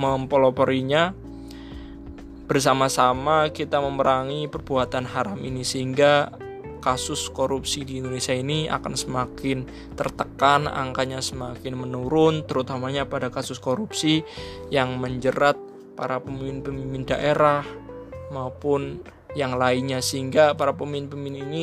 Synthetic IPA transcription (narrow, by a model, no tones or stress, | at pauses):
məmpolopɔɾiɲa | b̥ərs̬amasamakit̪aməməɾʔaŋipərbuat̪anɦaɾaminisəɦiŋɡa | kasʊskoɾupsidiːndonesiainia̰ka̰nsəmakɪn | t̪ərt̪əkana̰ŋkaɲasəmakɪnmənuɾʊnt̪əɾut̪amaɲapadakasʊskoɾupsi | jaŋməɲd͡ʒəɾat̪̚ | paɾapəmiɪnpəmimɪndaʔeɾah | maupʊn | jaŋlaiɲasəɦiŋɡapaɾapəminpəmɪnini